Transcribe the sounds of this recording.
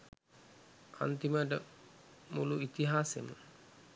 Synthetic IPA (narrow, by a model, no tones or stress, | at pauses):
a̰nt̪iməʈ̬ə | muluit̪iɦaːsemə